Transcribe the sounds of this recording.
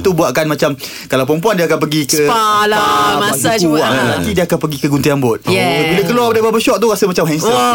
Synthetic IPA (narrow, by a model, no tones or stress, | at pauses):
t̪ubuaʔkanmat͡ʃam | kalawpəmpuandiaːkanpəɡikəalaamasauat̪at̪idiaakanpəɡikəɡunt̪iambʊt̪̚ɛbiləkəluapadababəʃɔʔt̪uɣasəmat͡ʃamɦɛnsə